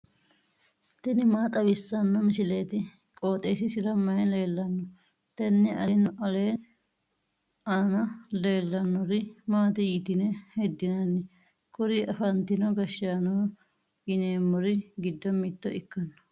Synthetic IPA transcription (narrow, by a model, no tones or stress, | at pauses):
t̪ɛnɪmaːt̪ʼɐbɪsːɐnːɔmɪsɪle̞ːt̪ɪ | kʼo̞ːt̪ʼeːsɪsɪɾɐmɐjɛle̞ːlːɐnːɔ | t̪ɛnːɛʔɐːnːɔʔɐle̞ː | aːnɐle̞ːlːɐnːɔɾɪmaːt̪ɪjiːt̪ɪnɛhɛd̪ːɪnɐnːɪ | kɔɾiʔɐfɐnt̪ɪnɔɡɐʃːɐnɔː | ɪneːmːɔɾɪɡɪd̪ːɔmɪt̪ːɔʔɪkːɐnːɔ̥